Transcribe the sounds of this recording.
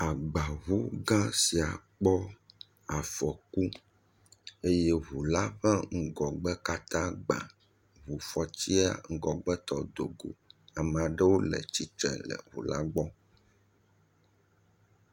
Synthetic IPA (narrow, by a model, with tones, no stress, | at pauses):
a˨ɡ͡ba˨ɦu˦ɡã˦si˨a̰˨k͡pɔ˦ | a˨fɔ˨ku˦ | e˦je˦ɦu˨la˦ɸɛ̃˦ŋ̩˦ɡɔ˨ɡ͡bɛ˦ka˦t̪ã˦ɡ͡ba̰˨ | βu˨fɔ˨t͡ɕi˦a̰˨ŋ̩˦ɡɔ˨ɡ͡bɛ˦t̪ɔ˨d̪o˨ɡo̰˨a˨m˨a˨ɖe˦wo˦lɛ̰˨t͡ɕi˦t̪ɛ̰̃˨lɛ̰˨ɦṵ˨la̰˦ɡ͡bɔ˦